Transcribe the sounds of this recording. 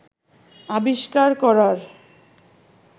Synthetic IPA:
abiʃkaɾkɔɾaɾ

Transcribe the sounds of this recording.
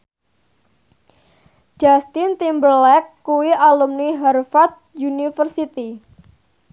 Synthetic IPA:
d͡ʒ̥ast̪int̪imbərlɛkːuwialumniɦarfat̪̚junifərsit̪i

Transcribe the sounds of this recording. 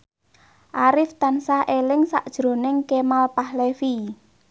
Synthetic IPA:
ʔaɾɪft̪ansaʔelɪŋsa̰ʔd̥ʒ̥ɾo̤nɪŋkemalpahlefi

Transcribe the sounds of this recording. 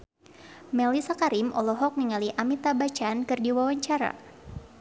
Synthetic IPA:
mɛlisakaɾimʔɔlɔɦɔk̚niŋaliʔamit̪abat͡ʃankɨrdiwawaɲt͡ʃaɾa̰

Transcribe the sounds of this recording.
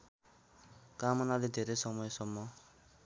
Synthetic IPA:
kamʌnaled̪ʱeɾejsʌmʌjsʌmːʌ

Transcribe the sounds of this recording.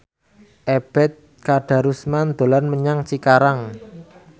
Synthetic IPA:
ʔeb̥ɛt̪̚ | kaɖ̥a̤ɾusmand̪̥o̤lanməɲaŋt͡ʃikaɾaŋ

